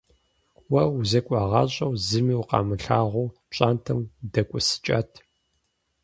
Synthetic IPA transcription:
wɐuzɐkʷʼɑʁɑɕʼɐwzɨmiwqɑ̰ːmɨɬaːʁʷu | ɕʼantʰɨmdɐkʷʼʊsɨ̥t͡ʃʼɐ̰tʰ

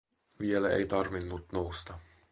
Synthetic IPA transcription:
ʋielæḛjt̪ɑrʋinːut̪nowst̪ɑ

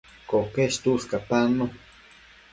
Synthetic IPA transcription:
kokeʃt̪uskapano

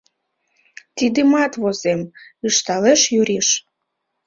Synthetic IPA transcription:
t̪id̪emɑt̪βozemɯʃt̪ɑleʃjuɾiʃ

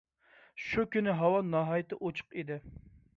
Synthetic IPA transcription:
ʃukʲynɪɦɑwɑnɑːɦɑjɪt̪ɪʔot͡ʃʰə̥qid̪ɪ

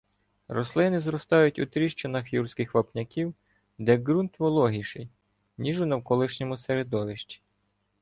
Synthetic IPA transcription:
ɾɔslˠɪnɪzɾɔst̪ɑjʊtʲʊt̪ɾʲiʃt͡ʃenɐxjursʲkɪxʋɐpnʲɐkʲiw | d̪ɛɡɾunt̪ʋɔlˠɔɦiʃɪj | nʲiʒʊnɐwkɔlˠɪʃnʲɔmʊseɾed̪ɔʋɪʃt͡ʃʲi̥

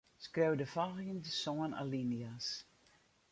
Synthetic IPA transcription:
skrewdəfaɣiəndəsɔəna̰linias

